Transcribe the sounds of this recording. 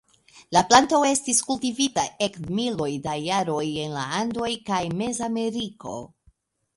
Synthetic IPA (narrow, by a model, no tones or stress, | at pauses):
laplanto̞e̞stiskultivitaʔe̞kmilo̞jdajaɾo̞je̞nla̰ando̞jkajme̞zame̞ɾiko̞̰